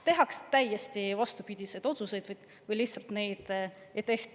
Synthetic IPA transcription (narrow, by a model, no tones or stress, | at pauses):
t̪e̞ɦɑkst̪æjest̪ivɑst̪upid̪̥ʲise̞jd̪̥o̞t̪suse̞jd̪̥vɤjd̪̥ | vɤjlih̪sɑlt̪ne̞jd̪̥ | ejt̪e̞ht̪